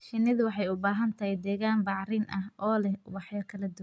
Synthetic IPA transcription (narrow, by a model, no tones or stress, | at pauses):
ʃɪnːɪðʊwɑħɑjʊbaːɦɐnt̪ʰɐhɛjd̪ɛːɣaːnbɑʕrɪnʔɐɦɔːlɛwɑħjɐkʰɐlɐd̪ʊw